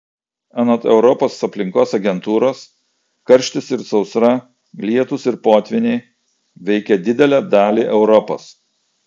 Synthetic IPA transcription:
ɛnot̪ɛʊɾɔpoːsɐpʲlʲɪŋkoːsɐɡʲɛnt̪uːɾoːs | kɐɾʲʃʲt̪ʲɪsɪɾsɒʊsɾɐ | lʲiɛt̪ʊsɪɾpoːt̪ʲʋʲɪnʲeː | ʋʲɛɪkʲɛd̪ʲɪd̪ʲɛlʲæːd̪ɑːlʲiːʔɛʊɾɔpo̰ːs

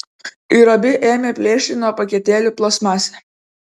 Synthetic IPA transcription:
iɾɔbʲɪʔeːmʲeːpʲlʲeːʃʲt̪ʲɪnuɔpɐkʲɛt̪ʲeːlʲuːplˠoːsmɑːsʲɛ

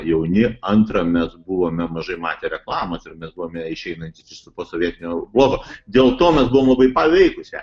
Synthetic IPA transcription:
jɛʊnʲɪɐnt̪ɾɐmʲɛsbuʋoːmʲɛmɐʒɐɪmɑ̰ːt̪ʲeɾʲɛklˠɑːmɐsɪrmʲɛsbuʋoːmʲɛɪʃʲɛɪnɐnʲt̪ʲɪsʲɪssʊpoːsoːʋʲiɛt̪ʲɪnʲoːblˠoːɡoːd̪ʲeːlˠt̪oːmʲɛsbuʋoːmlˠɐbɐɪpɑʋʲɛɪkʊsʲɛ̰

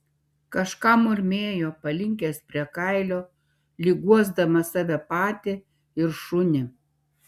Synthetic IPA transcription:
kɐʃkɑːmʊɾʲmʲeːjoːpɐlʲɪŋʲkʲeːspʲɾʲiɛkɑˑɪlʲoː | lʲɪɡuɔzd̪ɐmɐsɑːʋʲɛpɑːt̪ʲɪ | ɪɾʃʊnʲɪ

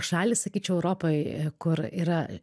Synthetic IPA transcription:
ʃɑːlʲissɐkʲiːt͡ʃʲɛʊɛʊɾoːpoɪkʊɾiːɾɐ

